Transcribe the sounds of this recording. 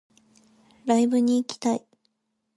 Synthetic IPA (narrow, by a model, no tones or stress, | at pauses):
ɾaibɯ̟ɲ̟iːkʲi̥t̪ai